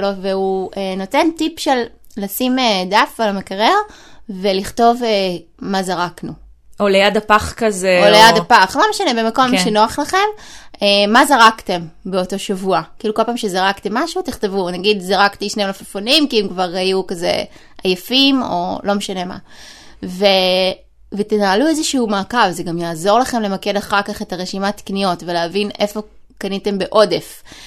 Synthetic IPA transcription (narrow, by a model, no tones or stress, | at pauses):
loveueno̞te̞ntipʃelːasimedafalamekaʁeʁveliχto̞vemazaʁaknu | ʔolejadapaχkazeolejad̪apaχlomeʃanebemako̞mʃenoaχlaχe̞memːazaʁakte̞mbe̞o̞to̞ʃavuakiːluko̞lpaːmʃe̞zaʁaktemːaʃutiχte̞vunaɡidzaʁakt̪iʃnemlafafonimkiemkvaʁhajukaze̞̰ajafimo̞̰lo̞meʃane̞ma̰ | ve | vetenaluezeʃuumakavzeɡamjaːzo̞ʁlaχe̞mle̞make̞daχaʁkaχe̞taʁeʃimati̥knijo̞tve̞leavinʔe̞fo̞ | kanite̞mbe̞ʔo̞de̞f